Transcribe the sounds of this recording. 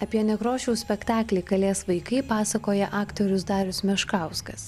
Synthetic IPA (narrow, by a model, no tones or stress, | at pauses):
ɐpʲiɛnʲɛkɾoːʃʲɛʊsʲpʲɛkt̪ɑːklʲɛɪkɐlʲeːsʋɐɪkɐɪpɑːsɐkoːjɛʔɑːkt̪oɾʲʊsd̪ɑːɾʲʊsmʲɛʃkɑˑʊskɐs